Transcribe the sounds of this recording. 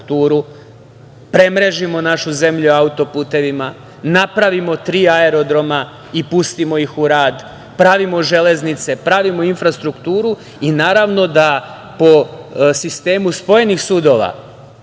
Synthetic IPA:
kt̪uːɾu | pɾe̞mɾe̞ʒimo̞naʃuze̞mʎuaut̪o̞puːt̪e̞ʋima | napɾaʋimo̞t̪ɾiːae̞ɾo̞d̪ɾo̞ma | ipust̪imo̞ixuɾaːd̪ | pɾaʋimo̞ʒe̞le̞znit̪se̞pɾaʋimoinfɾast̪ɾukt̪uːɾu | inaːɾaʋno̞d̪a | po̞sist̪e̞ːmuspo̞je̞nixsud̪o̞ʋa̰

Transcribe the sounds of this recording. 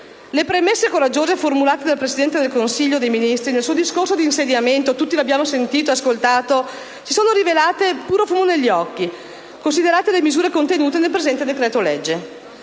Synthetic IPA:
lepɾemesːekoɾad͡ʒːoːzeformulaːt̪ed̪alpɾesid̪ɛnt̪ed̪elkonsiʎːod̪ejminist̪ɾinelsuːod̪iskorsod̪iːnsed̪jament̪ot̪ut̪ːiloabjaːmosent̪iːt̪oeaskolt̪aːt̪o | sisoːnoɾivelaːt̪epuːɾofuːmoneʎːɔkːi | kons̬id̪eɾaːt̪elemizuːɾekont̪enuːt̪enelpɾezɛnt̪ed̪ekɾɛːt̪olɛd͡ʒːe

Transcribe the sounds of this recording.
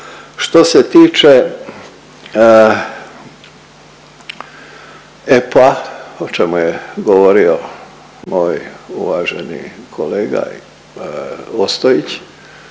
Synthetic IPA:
ʃt̪o̞set̪iːt͡ʃe | epaot͡ʃemujeɡoʋoɾio̞ | moːjṵʋaːʒḛnḭkʰoleːɡa̰ | ost̪oit͡ɕ

